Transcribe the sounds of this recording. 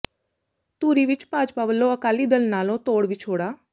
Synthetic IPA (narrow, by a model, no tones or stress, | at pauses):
t̪uːɾiːʋɪt͡ʃpaːd͡ʒpaːʋəlːõəkaːliːd̪əlnaːlõːt̪oːɽʋiːt͡ʃʰoːɽaː